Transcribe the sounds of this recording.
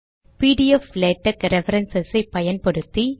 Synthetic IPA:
piːɽɪjɐleːʈːɐkɾɛfɐɾɐnsɐsɐɪpːɐjɐnpɔɽɯt̪ːi

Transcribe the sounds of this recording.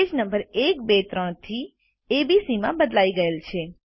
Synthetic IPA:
ed͡ʒnəmbəɾekbet̪ɾəɽ̃t̪ʰi | ebisimãbəd̪laiɡəelt͡ʃʰe

